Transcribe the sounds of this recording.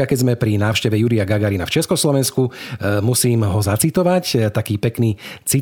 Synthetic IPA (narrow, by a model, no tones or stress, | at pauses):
akɛɟzmɛpɾinaːʊʃcɛʋɛjuɾijaɡaɡaɾina̰ft͡ʃɛskɔslɔʋɛnskumusiːmɦɔzat͡sit̪ɔʋact̪akiːpɛkniːt͡si